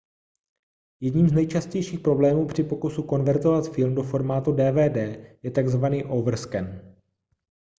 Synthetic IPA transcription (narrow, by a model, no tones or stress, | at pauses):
jɛdɲiːmznɛjt͡ʃascɛjʃiːxpɾo̞blɛːmuːpr̝̥ɪpo̞kusuko̞nvɛɾt̪o̞vat̪fɪlmdo̞fo̞ɾmaːt̪udɛːvɛːdɛːjɛt̪aɡzvaniːʔovr̩skɛn